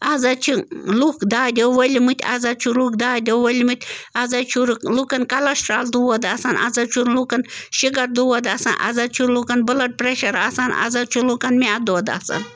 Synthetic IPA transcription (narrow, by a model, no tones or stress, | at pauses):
azat͡ʃʰilukd̪aːd̪ʲoʋɐlʲimɨt̪ʲʰa̰zat͡ʃʰulukd̪aːd̪ʲɐʋɐlʲmɨt̪ʲazat͡ʃʰuɾlukɐnkɐlɐsʈɾaːld̪uwɐd̪asanʔa̰zat͡ʃʰuɾlukɐnʃiɡɐɾd̪uwɐd̪aːsa̰nʔa̰zat͡ʃʰuɾlukɐnbɨlɐʈ̚pɾeʃɐɾasanʔa̰zat͡ʃʰulukɐnmead̪oːd̪a̰ːsa̰n